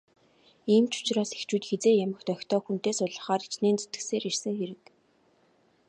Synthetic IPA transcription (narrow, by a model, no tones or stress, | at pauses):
iːmt͡ɕʊ̥t͡ɕraːse̥xt͡ɕuːt̪xet͡seːjamə̆xt̪œxʲt̪ɔːxun̥t̪eːsʊɮə̆χaːɾit͡ɕneːnt͡se̥t̪ɡɘ̆seːɾersɘ̆ŋxeɾɘ̆k